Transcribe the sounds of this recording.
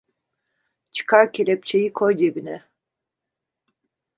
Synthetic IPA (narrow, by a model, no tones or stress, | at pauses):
t͡ʃʰɯ̥kʰaɾcʰelʲɛp̚t͡ʃʰejikʰojd͡ʒebinɛ